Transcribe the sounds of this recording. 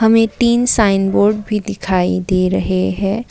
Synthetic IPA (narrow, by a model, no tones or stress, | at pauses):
ɦɐmẽt̪iːnsaːɪnboːɾɖbʱid̪ɪkʰaːid̪eːɾɐɦeɦɛ̃ː